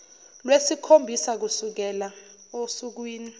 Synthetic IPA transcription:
lwesikʰombʱisak̬usuk̬ɛla | osuk̬wiːni

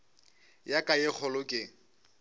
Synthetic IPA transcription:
jakʼajɪk͡xʰɔlʊkʼɪ

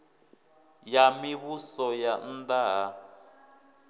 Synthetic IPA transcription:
jamiβusɔjan̩daɦa

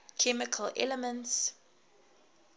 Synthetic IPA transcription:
kʰɛmɪkʰəlɛ̰lɛmə̃nts

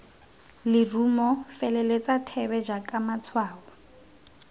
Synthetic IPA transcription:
lɪrumɔfɛlɛlet͡sʼatʰɛβɛd͡ʒakʼamat͡sʰwaːwɔ

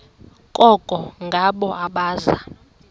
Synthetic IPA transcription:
kʼɔɡ̥ʱʼɔŋɡʱaɓɔʔaɓaːza̰

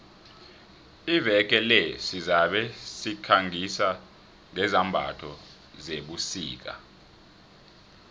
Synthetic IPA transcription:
ivɛk̬ʼɛlɛsizaɓɛsikʰaŋʱisa | ŋɛzambʱa̰tʰɔ | zeɓusḭːk̬a̰

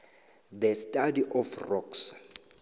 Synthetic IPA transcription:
d̪əstʼadiʔɔfrɔks

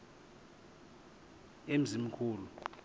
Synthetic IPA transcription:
em̩zimikʰuːlu

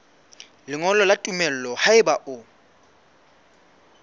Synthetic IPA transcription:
lɪŋɔlɔlatʼumɛl̩lɔhaɪbaʔʊ

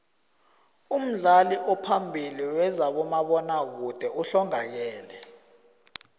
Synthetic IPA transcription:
um̩ɮaliʔɔpʰambʱiliwɛzaɓɔmaɓɔnak̬ud̥ʱɛuɬɔŋak̬ɛːlɛ

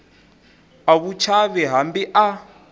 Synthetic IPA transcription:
aβut͡ʃʰaβɛɦambiʔa

